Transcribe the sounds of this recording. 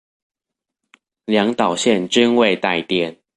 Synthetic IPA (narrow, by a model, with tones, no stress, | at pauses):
ljɑ˧˥ŋt̪ɑ˨˩ʊɕjɛ˥˨nʈ͡ʂi˥˦nwe˥˨ɪt̪a˥˨ɪt̪jɛ˥˨n